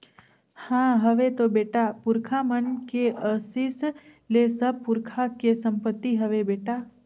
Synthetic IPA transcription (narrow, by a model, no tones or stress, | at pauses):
hãːɦəʋet̪obeːʈapʊɾkʰamənkeəsis | lesəb̚pʊɾkʰakesə̃mpət̪ːiɦɐʋebeːʈa